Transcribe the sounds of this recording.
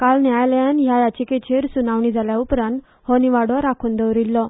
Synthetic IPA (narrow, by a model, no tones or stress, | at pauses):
kalnjajljãnjajat͡ɕiket͡ɕʰeɾsunaʋɳiːd͡zʱaljaupɾãnt̪ | hɔniʋaɽɔɾakʰuːnd̪əʋɾilːɔ